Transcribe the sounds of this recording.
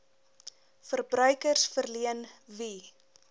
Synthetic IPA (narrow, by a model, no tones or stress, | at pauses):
fərbrœɥkərsfərliənvi